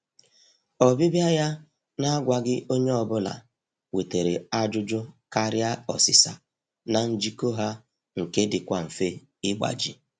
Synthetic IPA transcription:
ɔ˨bi˦bja˦ja˦ | na˦ɡʷa˨ɡɪ˦ʔo˦ɲe˦ɔ˨bʊ˦la̰˨ | we˨te˨ɾe˨a˦d͡ʒʊ˦d͡ʒʊ˦ka˦ɾja˦ɔ̰˨sɪ˨sa̰˨ | na˨n̩˦d͡ʒi˦ko˦ɦa˦ | ŋ̩˨ke˦dɪ˨kʷa˨m̩˨fe˦ | ɪ˦ɡ͡ba̰˨d͡ʒḭ˨

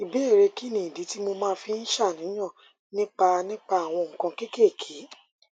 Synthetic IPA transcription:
i˨be˦e˦˨ɾe˧ki˦˨nĩ˨di˨˦ti˦mo˧mãː˦fi˧n̩˦ʃa˦˨nĩ˨˦j̃ã˦˨ | nĩ˦k͡pa˧nĩ˦k͡pa˧a˨w̃ɔ̃˧ŋ̩˨kã˧ke˦ke˦˨kʰe˨˦

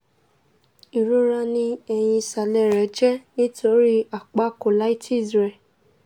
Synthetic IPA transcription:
i˨ɾu˦ɾa˧nĩ˧ɛ˧j̃ĩ˧sa˨lɛ˦ɾɛ˨˦d͡ʒɛ˦nĩ˦to˦ɾi˦a˨k͡pa˦˨ko˨la˨˦i˦ti˦˨sɾɛ˧˨

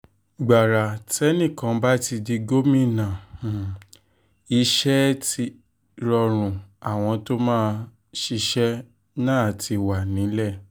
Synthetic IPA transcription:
ɡ͡ba˨ɾa˨tɛ˦nĩ˦˨kã˨˧ba˦ti˧di˧ɡo˦mĩ˦˨nã˨ | i˧ʃɛ˦ti˧˦ | ɾɔ˧ɾ̃ũ˨a˨w̃ɔ̃˧to˦mãː˦˧ | ʃi˧ʃɛ˦ | nãː˦a˨ti˧wa˨nĩ˨˦lɛ˦˨

